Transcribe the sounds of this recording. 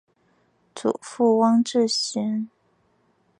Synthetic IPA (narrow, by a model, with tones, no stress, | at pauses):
t͡sṵ˨˩˦fu˥˩˧wɑ˥ŋʈ͡ʂɻ̩˥˩ɕi˧˥n